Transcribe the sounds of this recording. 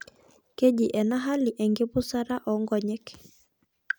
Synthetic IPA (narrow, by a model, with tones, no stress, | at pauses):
ke˦d͡ʒi˨ʔɛ˨na˦ɦa˦liʔɛ˨ŋɡe˦pu˦sa˦ɾa˦ʔɔ˨ŋɡɔ˨ɲɛ˦k